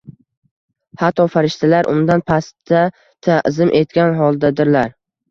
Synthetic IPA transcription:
hat̪ʰːɒfaɾɪʃt̪ʰalaɾʔʊ̰md̪anpʰast̪ʰa | t̪ʰazɪmʔe̞t̪̚kʲanɦɒlˠd̪ad̪ɪɾlaɾ

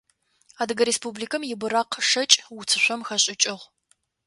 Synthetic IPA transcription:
aːdɨɡɐɾespublikʰɐmjɪbɨɾaːqʰʂɐt͡ʃʼwʊt͡sʰɨɕʷɔmxɐɕʼɪt͡ʃʼɪʁ

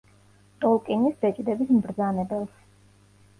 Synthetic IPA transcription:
t̪ʼɔlˠkʼinisbɛt͡ʃʼd̪ɛbismbɾd̪zanɛbɛlˠs

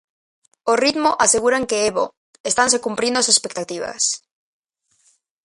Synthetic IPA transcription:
orit̪moʔaseɣuɾaŋkeeβo̰ | est̪ansekumpɾĩnd̪ose̞spek̚t̪at̪iβ̞a̰s

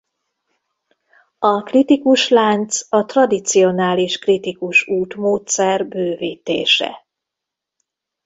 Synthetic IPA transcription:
ɒkrit̪ikuʃlaːnt̪sɒt̪rɒd̪it̪sio̞naːliʃkrit̪ikuʃuːt̪moːt̪sɛrbøːviːt̪ḛːʃɛ̰

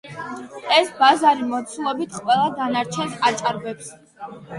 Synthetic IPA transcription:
ɛsbazaɾimɔt̪sʰulˠɔbit̪ʰqʼwɛlˠad̪anaɾt͡ʃʰɛ̃nsat͡ʃʼaɾbɛps

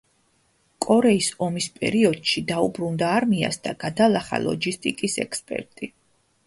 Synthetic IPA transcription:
kʼɔɾɛisɔmispʼɛ̰ɾiɔd̪̥ʃid̪aubɾund̪aːɾmia̰sd̪aɡad̪alˠaχa̰lˠɔ̰d͡ʒist̪ʼikʼisɛ̰kspʼɛ̰ɾt̪ʼi

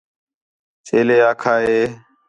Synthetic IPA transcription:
t͡ʃeːleːaːkʰaːɦeː

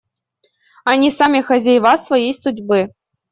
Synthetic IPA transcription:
ɑnʲisamʲixɐzʲejvɑsvɐjejsudʲbɨ

